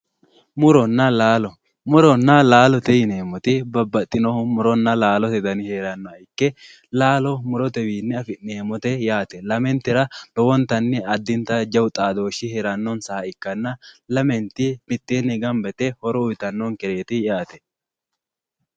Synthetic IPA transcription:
mʊɾɔnːɐlaːlɔ | mʊɾɔnːɐlaːlɔt̪ɛjɪneːmːɔt̪ɪbɐbːɐt̪ʼːɪnɔhʊmʊɾɔnːɐlaːlɔt̪ɛd̪ɐnɪheːɾɐnːɔɐɪkːɛ | laːlɔmʊɾɔt̪ɛwiːnːɛɐfɪnneːmɔt̪ɛjaːt̪ɛlɐmɛnt̪ɪɾɐlɔwɔnt̪ɐnːɛɐd̪ːɪnt̪ɐd͡ʒɐwt̪ʼaːd̪o̞ːʃːɪheːɾɐnːɔnsɐhɐɪkːɐnːɐlɐmɛnt̪ːɪbɪt̪ːeːnːɪɡɐmbɛt̪ɛhɔɾɔʊjt̪ɐnːɔnkɛɾeːt̪ɪjaːt̪ɛ̥

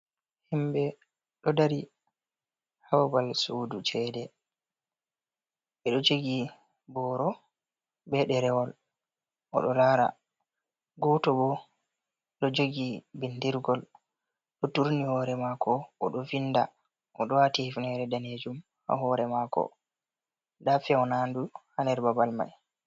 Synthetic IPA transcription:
himbɛ | ɗɔdaɾi | hawabalsudut͡ʃɛdɛ | ɓɛɗɔd͡ʒoɡi | bɔːɾɔ | bɛɗɛɾɛwɔl | ʔɔ̰ɗɔlaːɾa̰ | ɡɔtɔbɔ | ɗɔd͡ʒoɡibindiɾɡɔl | ɗɔtuɾnihɔɾɛmakʰɔʔɔɗɔvinːda̰ | ʔɔɗɔwatihifnɛɾɛdaned͡ʒum | ha̰ɦɔɾɛmakɔ̰ | dafɛɔnanduhanɛɾbabalma̰j

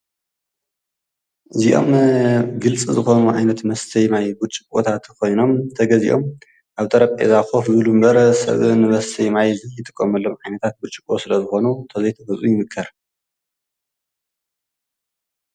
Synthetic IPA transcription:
ʔɨziʔo̞̰mɡɨlt͡sʼizɨxo̞nuʕajnɐt̪mɐst̪ʰɐjmajɡut͡ʃʼikʼwo̰t̪ʰat̪kʰo̞jno̞mt̪ʰɐɡɐzḭʔo̞m | ʔaβt̪ʼɐɾɐpʼʔḛzaxo̞fzɨβɨlumbɐɾsɐ̰βɨnɨmɐst̪ʰɨjmajzɨjɨt̪ʼɨkʼːɐmɐlːomʕajnɐt̪ʰat̪̚ɡut͡ʃʼikʼosɨlɐzɨxo̞nut̪ʰɐzɐjt̪ʰɐbɐzʼʔujɪmɨkʰːɐɾ

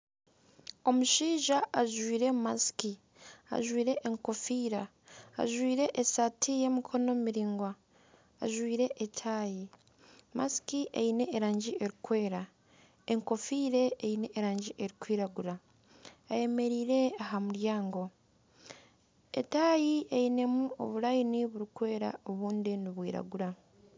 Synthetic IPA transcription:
o̞muʃiːʒaaʒwiːɾe̞maski | a̰ʒwiːɾe̞ʔeŋko̞fiːɾa̰ː | ʒwiːɾe̞ʔesatʰije̞mikʰo̞no̞miɾiːŋɡwa̰ː | ʒwiːɾe̞ʔetʰaji | ma̰skiʔḛine̞ːɾaːɲɟiʔe̞ɾikwe̞ːɾa | eŋko̞fiːɾe̞eine̞ʔːɾaːɲɟiʔe̞ɾikwiːɾaɡuɾa | aje̞me̞ɾiːɾe̞aɦamuɾjaːŋɡo̞ | ḛtaːjiejine̞muo̞̰βulajiniβuɾikwe̞ːɾa̰o̞βuːndiniβwiːɾa̰ɡuɾa

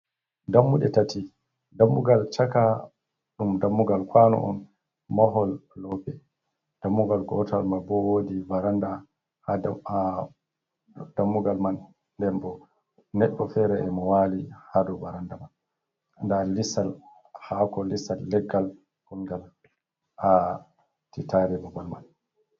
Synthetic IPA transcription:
damːuɗɛtati | damːuɡalt͡ʃaka | ɗumdamːuɡalkʰwanɔ̰ʔɔ̰n | maɦɔlːɔpɛ | d̥amːuɡalɡɔta̰lmabɔwodibaɾanda | ha | damːuɡalman | ndɛmbɔ | nɛɗːɔfɛɾɛɛmɔwaːlihadɔbaɾandaman | ndalisal | hakɔlisalːɛɡːal | kuŋɡal | a | titaɾɛbabalma̰n

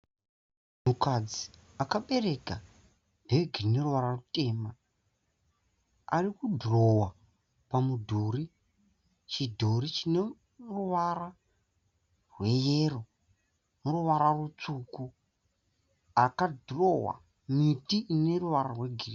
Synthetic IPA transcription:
mukad͡ziakaɓe̞ɾe̞ka | ndeɡʱirine̞ruʋaɾarute̞ːma | arikudʱro̞wa | pamudʱori | t͡ʃidʱoɾit͡ʃine | ruʋara | rwe̞jeːro̞ | muruʋaɾarut͡suːku | akadʱro̞wa̰ | mitiʔːne̞ruʋaɾarwe̞ɡʱiri

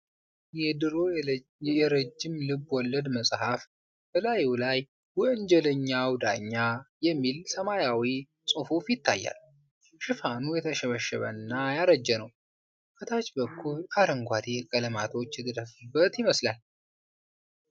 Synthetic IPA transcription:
jɛd̪ɨɾo | jɛɾəd͡ʒːɪmlɨbwɔlːəd̪məsʼhaf | b̥əlajuwlaj | wɔɨɲd͡ʒɛləɲːawd̪aɲːajɛmːilsəmajawi | sʼufufjɪt̪ːajːa̰l | ʃɨfanujɛt̪ʰəʃɛβəʃːɛ̰βə̰nːajaɾəd͡ʒːɛnəw | kʰət̪ʰat͡ʃbəkʰːulaɾəŋɡʷad̪ekʼələmat̪ʰo̞t͡ʃːjɛt̪ʰəd̪əfɨbːət̪jɪməslal

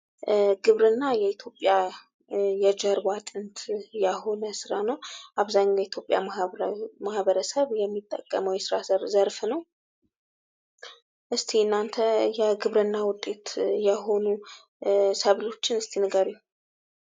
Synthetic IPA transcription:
ɡɨβɾɨnːajɛit̪ʰjo̞pʼja | jɛd͡ʒəɾbat̪ʼɨnt̪ʰjaɦo̞nəsɨɾanəwʔaβzaɲːjɛit̪ʰjo̞pʼja̰ | mahβəɾəsəβjɛmːit̪ʼːə̰kʼːə̰məwjɛsɨɾasəɾzəɾfnəw | ʔɨst̪ʰeɨnːant̪ʰəjɛɡɨβɾɨnːawʊt̪ʼːe̞t̪jɛɦo̞nu | səβlo̞t͡ʃːɪnɨst̪ʰinɨɡaɾi

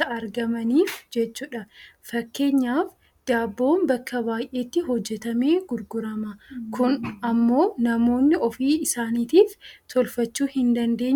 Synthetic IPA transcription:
ɐɐɾɡɐmɐniːfd͡ʒɛt͡ʃːuːᶑɐfɐkːe̞ːɲːaːf | d̪̥aːbːo̞ːmbɐkːɐbaːjʔe̞ːt̪ːɪɦɔd͡ʒːɛt̪ɐme̞ːɡʊɾɡʊɾɐmɐkʰʊnɐmːo̞ːnɐmo̞ːnːɪʔɔfiːɪsaːniːt̪iːft̪ʰɔlfɐt͡ʃːuːhɪnd̪ɐnd̪e̞ːɲː

